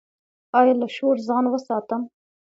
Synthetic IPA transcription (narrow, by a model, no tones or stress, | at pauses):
ɑːjɑlaʃoɾzɑːnwəsɑːt̪əm